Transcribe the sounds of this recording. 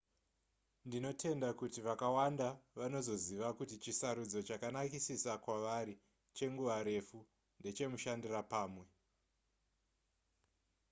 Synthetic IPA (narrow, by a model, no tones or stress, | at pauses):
ndino̞tʰe̞ndakutiʋakawandaʋano̞zo̞ziʋakutit͡ʃisaɾud͡zo̞t͡ʃakanakisisakwaʋaɾi | t͡ʃe̞ŋɡuʋaɾe̞fu | nde̞t͡ʃe̞muʃandirapaːmwe̞